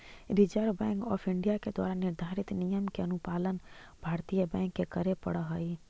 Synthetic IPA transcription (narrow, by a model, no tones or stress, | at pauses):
ɾid͡ʒəɾbɛ̃ːŋkɔ̰ːpʰɪ̃ɳɖijaked̪wa̰ːɾanɪɾd̪ʱaːɾɪt̪nijəmkeɐnupaːlən | bʱaːɾt̪ijəbɛ̃ːŋkːekəɾepə̰ɽəɦəi